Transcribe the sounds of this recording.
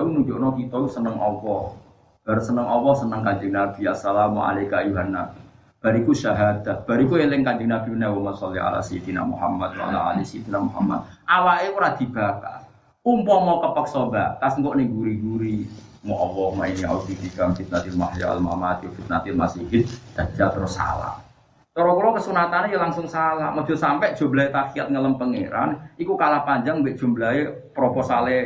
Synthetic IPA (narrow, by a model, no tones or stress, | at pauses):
unuɲd͡ʒoʔnɔkit̪ɔusənəŋʔɔwɔ | b̥aɾsənəŋʔɔwɔsənəŋkand͡ʒɪŋnab̥iasalamɔa̰lekajuɦanːa | b̥a̤ɾikuʃaɦad̪̥ahb̥a̤ɾikuelɪŋkand͡ʒɪŋnab̥i̤wənawɔmansaliɦa̰la̰sit̪ina̰ʔmṵha̰mːad̪̚wa̰a̰la̰alisit̪inaʔmuha̰mːa̰t̪̚ʔawaʔekuɾad̪̥i̤b̥aka̰ | umpɔmakəpək̚sɔbakasŋɡɔʔniɡuɾiɡuɾimɔʔɔwɔma̰inia̰ud̪ifikamfit̪̚nat̪ɪlma̰hja̰a̰lma̰mat̪ofit̪̚nat̪ɪlmasiɦɪt̪̚d̪̥a̤d͡ʒ̥at̪əɾʊsa̰la̰h | t̪ɔɾɔkulɔkəsunat̪anejalaŋsʊŋsalahmɔd͡ʒ̥osampɛʔd̥ʒ̥omblaet̪akiat̪̚ŋələmpəŋḛɾa̰nikukalapaɲd͡ʒaŋbeʔd̥ʒ̥o̤mbəlae | pɾopɔsalɛ